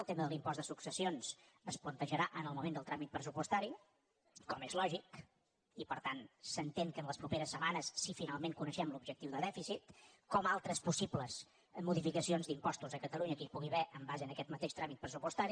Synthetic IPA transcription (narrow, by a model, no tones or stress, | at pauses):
əlˠt̪eməðəlimpɔzd̪əsuksəsionsəsplənt̪əʒəɾaʔənəlˠmumend̪əlˠt̪ɾamit̪̚pɾəs̬upust̪aɾi | kɔmezlɔʒik | ipəɾt̪ansənt̪eŋkənləspɾupeɾəsːəmanəsːifinalˠmeŋkunəʃɛmlubʒək̚t̪iwðəðɛfisit̪ | kɔmalˠt̪ɾəspusibləz | muðifikəsionzd̪impɔst̪uzəkət̪əluɲəkipuɣiβɛʔəmbazeənəkɛt̪mət̪eʃt̪ɾamit̪̚pɾəs̬upust̪aɾi